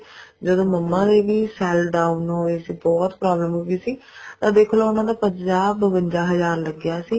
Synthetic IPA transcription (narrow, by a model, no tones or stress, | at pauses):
d͡ʒəd̪õːməmːãːd̪eːʋiːsɛːlɖaːunõːeːsiːbɔːt̪pɾaːbləmɦoːɡiːsiːt̪ãːd̪eːkʰːloːʊnãːd̪aːpəɲd͡ʒaːbʋə̃ɲd͡ʒaːɦəzaːɾləɡɪjaːsiː